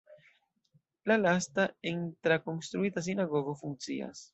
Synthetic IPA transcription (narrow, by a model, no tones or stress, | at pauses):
lalastaent̪ɾakonst̪ɾuitas̬inaɡo̞ɡofuŋt͡sḭa̰s